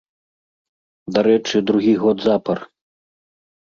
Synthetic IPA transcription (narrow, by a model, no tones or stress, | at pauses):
d̪aɾɛt͡ʂɨd̪ɾuɣʲiɣɔd̪zapɐr